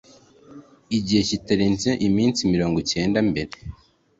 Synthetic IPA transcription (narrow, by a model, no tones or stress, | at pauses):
iɟihe̞citaɾinzeʔimiːnt͡simiɾo̞ːŋɡuce̞ːndambe̞ɾe